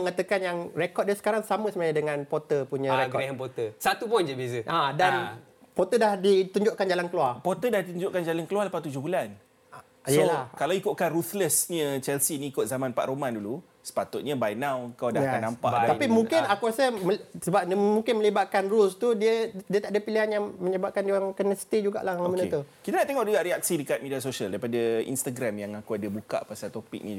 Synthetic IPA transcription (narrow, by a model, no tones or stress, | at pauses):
əŋat̪əkanjaŋrekɔt̚diəsə̥kaɾaŋsamə̃səmaɲadəŋãnpot̪əpuɲə̃ɾekɡɔɾeɦənpot̪əsat̪upɔnd͡ʒabes̬əʔadan | pot̪ədahdit̪uɲd͡ʒʊʔkand͡ʒalankəluarpot̪ədahdit̪uɲd͡ʒʊʔkand͡ʒalankəluarləpat̪ud͡ʒʊɦbulan | sijəlakalawikoʔkanrut̪ləsɲət͡ʃɛlsinĩːkot̪̚zamãnpa̰ʔɾomãndulu | sə̥pat̪ʊt̪̚ɲəbajnãwəŋkawdaanːampa̰ʔ̪apimũŋkɪnakuɾasəmsəbap̚nmũŋkɪnmə̃libaʔ̪̚kanrulst̪udiədiət̪aʔdəpiliɦanjaŋməɲəbap̚kandiwaŋkənəst̪id͡ʒuɡa̰ʔlahmənət̪ukit̪anaʔt̪eŋɔʔ̚duɡaʔɾiak̚sidəkat̪̚midiasosiəldaɾipadaḭnst̪aɡɾamjaŋakuadabuka̰ʔpasalt̪opḭk̚nḭ